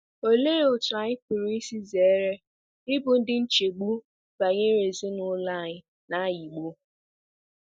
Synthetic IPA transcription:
o˦le˦ɾe˨ʊ˨ta˨ɲɪ˦pʊ˨ɾu˨˦i˦si˦ze˨˦ɾe˦ | ɪ˦bʊ˨n̩˦dɪ˦n̩˦t͡ʃe˨ɡ͡bu˦ | b̥a˨ɲe˦ɾe˨zi˦nʊ˦la˦˨ɲɪ˨ | na˦ji˨ɡ͡bu˦

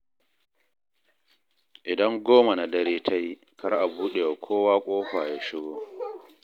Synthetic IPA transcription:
ʔɪ˨dɐ˦ŋɡoː˦ma˨na˨dɐ˦ɾeː˦tʰa˦ji˦ | kʰɐ˦ɾʔa˨buː˦ɗe˨ja˨kʷʰoː˦waː˦kʷʼoː˦ɸaː˨jaː˦ʃɪ˦ɡoː˦

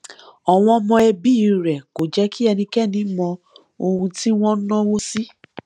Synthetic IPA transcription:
ɔ˨w̃ɔ̃˧mɔ̃˧ɛ˧bi˦˨ɾɛ˨ko˨d͡ʒɛ˦ki˦ɛ˧nĩ˧kɛ˦˨nĩ˨˦mɔ̃˧ | o˧hũ˧ti˦w̃ɔ̃˦nɔ̃˦wo˦si˦

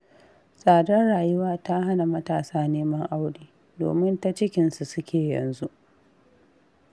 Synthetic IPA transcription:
sʼaː˨dɐ˦rɽaː˨jʊ˦waː˦ta˦ɦa˦na˨mɐ˦taː˨saː˦neː˦mɐ˦ŋʔa˦wɽiː˦˨ | do̰ː˨mɪ˦nta˦t͡ʃɪ˦kʲɪ˨nsu˨sʊ˦kʲʰeː˨jɐ̰˨nzu˦ʔ

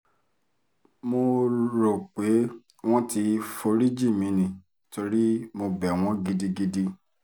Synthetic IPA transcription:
mo˧ɾo˨k͡pe˨˦ | w̃ɔ̃˦ti˧fo˧ɾi˦d͡ʒi˦˨mĩ˨˦nĩ˨ | to˧ɾi˦mo˧bɛ˨w̃ɔ̃˦ɡi˧di˧ɡi˧di˧

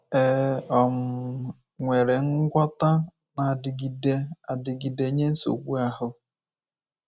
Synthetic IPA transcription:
e˨ɔ˨m̩˨˦ | ŋʷe˨ɾe˨ŋ̩˦ɡʷɔ˦ta˦ | na˨dɪ˨ɡi˨de˦a˨dɪ˨ɡi˨de˨˦ɲe˦n̩˦so̰˨ɡʷu˦a˦ɦʊ˨˦

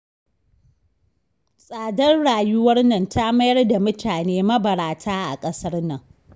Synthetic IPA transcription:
sʼaː˨dɐ˦rɽaː˨jʊ˦wɐ˦rnɐ˨ntʰa˦mɐ˦jɐ˦rda˨mʊ˦taː˨neː˦mɐ˦bɐ˨ɽaː˨tʰaː˦ʔa̰˨kʼɐ˦sɐ˦rnɐ˨ŋ

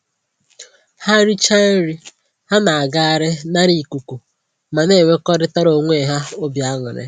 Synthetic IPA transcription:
ha˦ɾi˦t͡ʃa˦ɾi˨ | ha˦na˨a˨ɡa˦a˨ɾɪ˦na˦ɾi˨ku˨ku˨ | ma˨ne˦˨ŋe˦kɔ˦ɾɪ˦ta˦ɾo˨ŋʷe˦˨ɦa˦o˦bja˦ŋʊ̰˨ɾɪ̰˦

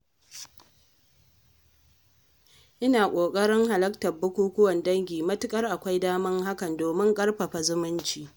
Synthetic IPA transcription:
ʔɪ˦naː˨kʷʼoː˨kʼɐ˦ɽɪ˦ŋɦa˨lɐ˦k̚tɐ˨bʊ˦kʷuː˦kʷʊ˦wɐ˨ndɐ˦ŋɡʲiː˨mɐ˦tɪ˦kʼɐ˦rʔa˨kʷa˦jdaː˦mɐ˦ŋha˦kɐ˨ndoː˨mɪ˦ŋkʼɐ˦rɸɐ˨ɸa˨zʊ˦mɪ˦nt͡ʃiː˨

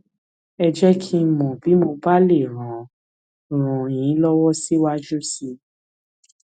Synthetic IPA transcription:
ɛ˧d͡ʒɛ˦kʰi˦˧˦mɔ̃˨bi˨˦mo˧ba˦le˦˨ɾ̃ã˨ | ɾ̃ɔ̃˨j̃ĩ˨˦lɔ˦wɔ˦si˦wa˦d͡ʒu˦si˧

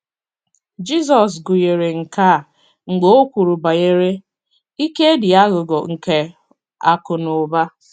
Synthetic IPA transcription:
d͡ʒi˦s̬ɔ˨s̬ɡʊ˨je˨ɾe˨ŋ̩˨ka˦˨ | ŋ͡m̩˨ɡ͡bo˦o˦kʷu˨ɾu˨ba˨je˦ɾe˦ | i˦ke˦dɪ˨a˦ɣʊ˨ɡɔ˨ŋ̩˨ke˨ | a̰˨kʊ˨no˨ba˦

